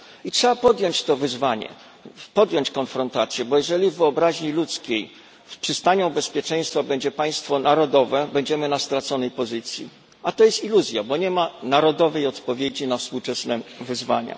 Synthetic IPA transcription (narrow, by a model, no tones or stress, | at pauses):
itʂɛbapɔd̪ʲjɔɲt͡ɕt̪ɔvɘzvaɲɛ̰ | pɔd̪jɔɲt͡ɕkɔnfɾɔnt̪at̪sʲjɛbɔjɛʐɛlʲivːɘɔbɾaʑɲilut̪skʲej | fpʂɘst̪aɲɔ̃bɛspʲjɛt͡ʂɛ̃j̃st̪fabɛɲd͡ʑɛpaj̃st̪fɔnaɾɔd̪ɔvɛbɛɲd͡ʑɛmɘnast̪ɾat̪sɔnɛjpɔzɘt̪sʲjḭ | at̪ɔjɛst̪iluzʲjabɔɲɛmanaɾɔd̪ɔvɛjɔt̪pɔvʲjed͡ʑinafspuwt͡ʂɛsnɛvɘzva̰ɲa̰